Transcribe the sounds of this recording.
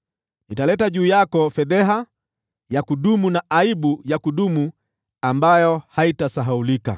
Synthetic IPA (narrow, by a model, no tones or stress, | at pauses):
nitalɛtaʄuːjakɔfɛðɛɦa | jakuɗumunaʔaibujakuɗumu | ambajɔhaitasaɦaulika̰